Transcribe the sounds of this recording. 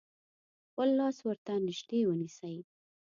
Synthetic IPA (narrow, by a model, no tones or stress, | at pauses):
wəlːɑswəɾt̪anɪʃd̪ewənisəj